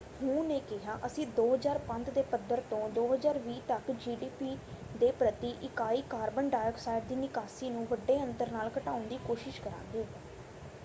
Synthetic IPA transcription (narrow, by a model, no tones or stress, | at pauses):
hũːneːkɪɦaːʔəsĩːd̪oːɦəzaːɾpə̃nt̪d̪eːpəd̪əɾt̪õːd̪oːɦəzaːɾʋiːt̪əkd͡ʒiːɖiːpiːd̪eːpɾət̪iːʔɪkaːiːkaːɾbənɖaːjəksaːɪʈ̚d̪iːnɪkaːsiːnũːʋəɖːeːə̃nt̪əɾnaːlkəʈaːʊnd̪iːkoːʃɪʃkəɾã̰ːŋɡeː